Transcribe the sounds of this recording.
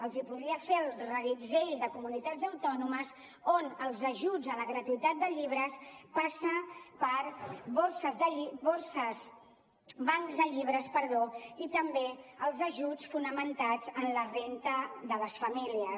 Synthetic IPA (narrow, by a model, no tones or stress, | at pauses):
əlˠzipuðɾiəfeəlˠrəɣizejld̪əkumunit̪azəwt̪ɔnuməz | onəlˠzəʒud͡zələɣɾət̪uit̪at̪̚d̪əʎiβ̞ɾəspasəpəɾbosəzðəiboɾsəz | baŋzðəʎiβ̞ɾəspəɾðoit̪əmbeəlˠzəʒut͡sfunəmənt̪ad͡zənlərent̪əðələsfəmiliə